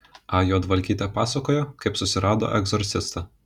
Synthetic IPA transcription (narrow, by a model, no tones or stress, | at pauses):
ɑjoːd̪ʋɐlʲkʲiːt̪ʲɛpɑːsɐkoːjoːkɐɪpsʊsʲɪɾɑːd̪o̰ːʔɛɡzɔɾʲsʲɪst̪ɐ